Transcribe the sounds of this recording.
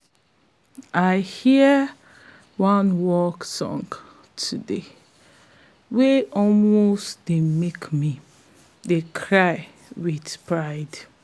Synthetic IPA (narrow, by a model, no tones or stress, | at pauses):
ʔaɪhi | wãnwɔksɔ̰̃ŋɡ | tʰude | weʔɔlmostdemekmi | dekʰɹaɪ | widpʰɹaɪd